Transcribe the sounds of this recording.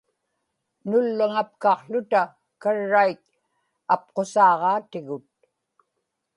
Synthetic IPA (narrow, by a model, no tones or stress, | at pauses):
nʊlːaŋap̚kɑqɬʊt̪a | kaɻːajk̚ | ap̚qosɑːʁɑːt̪ɪɣʊt̪̚